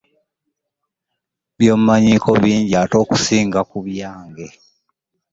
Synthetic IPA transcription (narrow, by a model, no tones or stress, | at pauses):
βjo̞ːmumaɲiːkʰo̞βiːɲɟiaːto̞ːku̥siːŋɡakuβjaːŋɡe̞